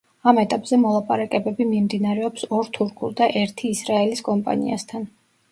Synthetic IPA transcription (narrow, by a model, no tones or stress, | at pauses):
amɛt̪ʼapʼz̥ɛmɔlˠapʼaɾakʼɛbɛbimimd̪inaɾɛɔpsɔɾt̪ʰuɾkʰuɾd̪aʔɛɾt̪ʰiːsɾaɛliskʼɔmpʼa̰nḭa̰st̪ʰan